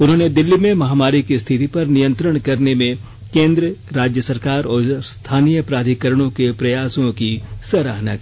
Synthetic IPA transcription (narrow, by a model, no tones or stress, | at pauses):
ʊnɦõːned̪ɪlːimẽmɐɦaːmaːɾikist̪ʰɪt̪ipɐɾnijə̃nt̪ɾəɽ̃kɐɾnemẽ | kẽːnd̪ɾəɾaːd͡ʒjəsɐɾkaːɾɔːɾst̪ʰaːnijəpɾaːd̪ʱikəɾəɽ̃õkepɾɐjaːsõkisɐɾaɦnakiː